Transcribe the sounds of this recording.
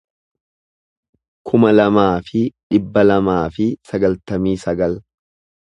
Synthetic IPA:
kʰʊmɐlɐmaːfɪᶑɪbːɐlɐmaːfɪsɐɡɐlt̪ɐmiːsɐɡɐl

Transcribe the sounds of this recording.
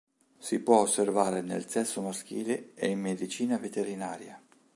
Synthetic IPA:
sipwɔosːervaːɾenḛlsɛsːomask̟ḭːleeimːed̪it͡ʃiːnavet̪eɾinaːɾja

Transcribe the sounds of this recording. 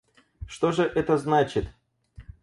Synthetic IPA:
ʂt̪o̞ʐɨʔɛt̪əznat͡ɕɪt̪

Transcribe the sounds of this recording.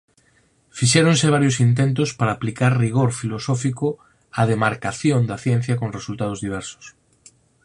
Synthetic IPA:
fiʃɛɾoŋseβ̞aɾjosint̪̬ent̪̬ʊspaɾaːplikaɾriɣ̞oɾfilosɔfikʊ | aðemaɾkaθjond̪ɐθjɛn̟θjɐkõŋresult̪að̞ozðiβ̞ɛɾsʊ̥s

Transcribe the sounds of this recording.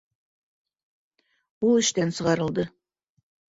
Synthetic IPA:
wʊlˠɪʃt̪ensəʁɑɾəlˠd̪ə

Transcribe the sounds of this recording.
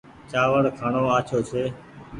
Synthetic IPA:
t͡ʃaːʋəɽkʰaːɳoːaːt͡ʃʰoːt͡ʃʰeː

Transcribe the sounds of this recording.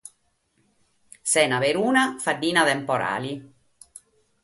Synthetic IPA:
sɛːnaveɾuːnafaɖːiːnat̪ɛmpɔɾa̰ːli

